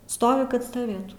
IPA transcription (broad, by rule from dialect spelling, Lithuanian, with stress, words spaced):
ˈstoːʋʲɪ kɐt stɐˈʋʲeːtuː